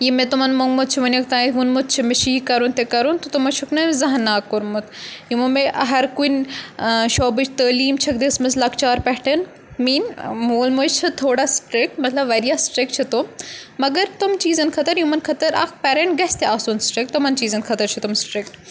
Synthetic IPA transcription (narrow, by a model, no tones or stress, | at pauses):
jimet̪ʊmɐnmoŋɡmʊt̪̚t͡ʃʰiʋɐnʲɐkt̪aːit̪ʋunmut̪̚t͡ʃʰimɪʃiːkɐɾunt̪ekɐɾunt̪ot̪umɐt͡ʃʰuknɐzɐɦɐnːaːkːoɾmʊt̪jumɐnmeʔɐɦɐɾkun | ʃoːbɨt͡ʃʰt̪əːliːmt͡ʃʰɐk̚d̪ismɐslɐkt͡ʃaːɾpɛɦʈɐn | miːnmuːlmut͡ʃt͡ʃʰit̪ʰoːɽasʈɾɪk̚ʈmɐt̪lɐbʋɐɾijaːsʈɾek̚t͡ʃʰit̪omɐɡɐɾt̪umt͡ʃiːzɐnkʰɐt̪ɐɾjumɐnkʰɐt̪ɐɾʔɐ̰ːkpɛːɾeɳʈɡɐst̪eaːsunsʈɾɪk̚t̪umɐnt͡ʃiːzɐnkʰɐt̪ɐɾt͡ʃʰit̪ʊmsʈɾɪk̚ʈ